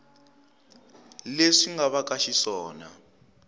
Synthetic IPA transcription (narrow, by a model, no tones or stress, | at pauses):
leʂiŋɡaβakaʃisɔːna̰